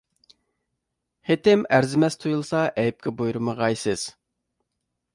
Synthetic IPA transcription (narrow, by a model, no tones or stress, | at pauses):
het̪ɪmæɾzɪmɛst̪ʰujulˠsɑʔɛjp̚kʲʰɛbojɾɨməʁɑjsɨz̥